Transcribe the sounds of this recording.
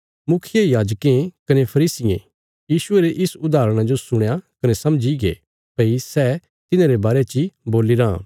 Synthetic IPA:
mʊkʰɪjejaːd͡ʒkẽkɐnepʰɐɾiːsɪḛ̃ | jiːʃʊeɾeʔɪsʊd̪aːɾəɽ̃ãd͡ʒosʊɽ̃jakɐnesɐmd͡ʒiɡḛ | peisɛ | t̪ɪnãɾebaːɾet͡ʃiboːliɾã̰

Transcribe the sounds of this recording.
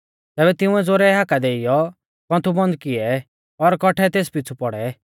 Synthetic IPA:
t̪ɛːbɛt̪ɪ̃ʊ̃ɛd͡zoːɾɛɦakad̪eːɪjɔ | kɔ̃nt̪ʰubɔ̃nd̪kɪɛ | ɔɾkɔʈʰɛt̪eːs̬pɪt͡sʰupɔɽɛ

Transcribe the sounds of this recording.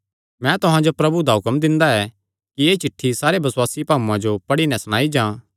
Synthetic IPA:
mɛ̃t̪ʊɦãd͡ʒopɾɐbud̪aɦʊkəmd̪ɪ̃nd̪aɛ | kieːt͡ʃɪʈʰːisaːɾebɐswaːsipaːũãd͡ʒopɐɽinɛ̃sʊɽ̃aːid͡ʒãː

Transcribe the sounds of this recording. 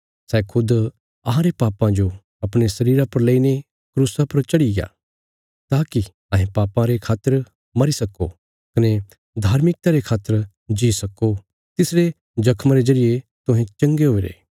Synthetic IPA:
sɛːkʰʊd̪ | ɐɦãɾepaːpãd͡ʒo | ɐpɽ̃esɐɾiːɾapɐɾleːine | kɾuːsapɐɾt͡ʃɐɽija̰ː | t̪aːki | ɐ̃ːɦẽpaːpãɾekʰaːt̪ːəɾ | mɐɾisɐko̰ | kɐne | d̪ʱaːɾmɪk̚t̪aɾekʰaːt̪ːəɾ | d͡ʒiːsɐkːo | t̪ɪsɽe | d͡ʒɐkʰmaɾezɐɾijet̪ʊɦɛ̃t͡ʃɐ̃ŋɡeɦoːiɾḛː

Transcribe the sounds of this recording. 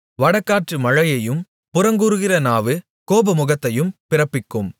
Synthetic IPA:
ʋɐɽɐkːaːʈrɯmɐɻɐjɐjɯm | pʊɾɐŋɡɯɾɯɣɪrɐnaːʋɯ | koːbɐmʊɣɐt̪ːɐjɯmpɪrɐpːɪkːɯm

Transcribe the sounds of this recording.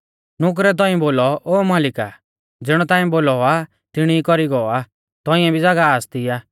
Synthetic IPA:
nʊk̬ɾɛt̪̬ɔ̃ĩboːlɔoːmaːlɪka̰ | d͡zɪɽ̃ɔt̪aːĩboːlɔa | t̪ɪɽ̃iikɔɾiɡɔa | t̪ɔ̃ɪ̃ɛ̃bʱid͡zaɡaaːst̪ijaː

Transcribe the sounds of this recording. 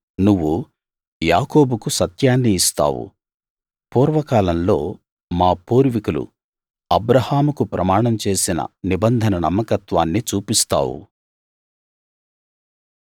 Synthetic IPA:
nuʋːu | jaːkoːbukusɐt̪jaːnːiːst̪a̰ːwṵ | puːɾʋɐkaːlɐmlo̞ː | maːpuːɾʋikulṵ | ɐbɾɐhaːmukupɾɐmaːɳɐmt͡ʃe̞ːsinɐ̰nibɐnd̪ʱɐnɐnɐ̰mːɐkɐt̪ʋaːnːit͡ʃuːpist̪a̰ːwṵ

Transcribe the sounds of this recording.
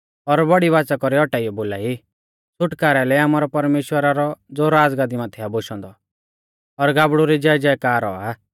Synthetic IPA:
ɔɾbɔɽiʋaːt͡sakɔɾiɔʈaːijɔboːlaːi | sʊʈkaːɾɛlɛaːmaːɾɔpɐɾmeːʃwəɾaɾɔd͡zoːɾaːd͡zɡaːd̪imat̪ʰɛaboʃɔ̃nd̪ɔ | ɔɾɡaːbɽuɾid͡ʒɛd͡ʒɛkaːɾɔ̰aː

